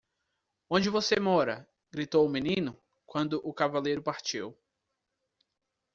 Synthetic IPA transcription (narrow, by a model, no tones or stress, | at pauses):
õd͡ʒɪvosemɔɾɐ̰ | ɡ̥ɾit̪owʊminĩnʊ | kwɐ̃nd̪ʊʔʊkavalejɾʊpaɾt͡ʃiw